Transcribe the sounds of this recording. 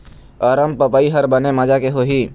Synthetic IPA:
aːɾəmpəpaːiɦɐɾbənemɐd͡ʒakeɦoɦiː

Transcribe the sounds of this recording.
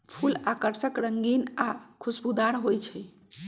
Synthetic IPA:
pʰulakəɾsəkɾəŋɡinakʰusbud̪aɾɦojt͡ʃʰɛ

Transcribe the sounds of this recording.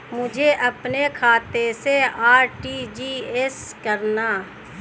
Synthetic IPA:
mʊd͡ʒʱeʔɐpnekʰaːt̪eseaːɾʈid͡ʒiːeskəɾnaː

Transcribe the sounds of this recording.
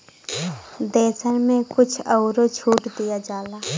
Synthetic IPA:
d̪ɛːsənmẽkʊt͡ʃʰəʊɾot͡ʃʰuːʈd̪ijad͡ʒaːlaː

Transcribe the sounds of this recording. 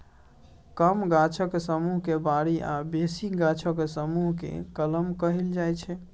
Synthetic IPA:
kəmɡat͡ʃʰəksəmuɦkebaɾiʔabesiɡat͡ʃʰəksəmuɦkḛkələmkəɦild͡ʒajt͡ʃʰɛ

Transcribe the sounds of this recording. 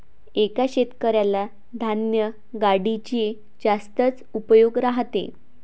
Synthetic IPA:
ekaɕet̪kəɾjala | d̪ʱanjə | ɡaɽit͡ɕie | d͡zast̪ət͡s | upəjoɡɾaɦt̪ḛ

